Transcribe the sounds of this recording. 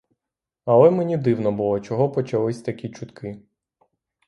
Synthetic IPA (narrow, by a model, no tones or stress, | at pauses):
ɐlˠɛmenʲid̪ɪwnɔbʊlˠɔt͡ʃɔɦɔpɔt͡ʃɐlˠɪsʲt̪ɐkʲit͡ʃʊt̪kʰɪ